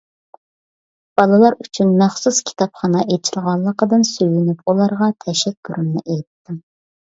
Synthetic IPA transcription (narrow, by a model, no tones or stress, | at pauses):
b̥ɑlˠɨlˠɑɾyt͡ʃʰynmæχsuskʲʰi̥t̪ʰɑpχɑnɑʔet͡ʃʰilˠʁɑlˠːəqəd̪ɨnsøjlɪnypulˠɑɾʁɑt̪ʰɛʃɛt̪̚kʲʰːyɾɪmnɪʔejt̪ːɪ